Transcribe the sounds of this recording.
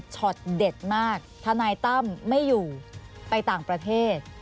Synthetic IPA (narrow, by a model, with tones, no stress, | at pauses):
t͡ɕʰɔ˨˩t̪̚de˨˩t̪̚maː˥˩k̚t̪ʰa˧naː˧jt̪a˥˩mːa˥˩jːuː˨˩pa˧jt̪aː˨˩ŋpɾa˧t̪ʰeː˥˩t̪̚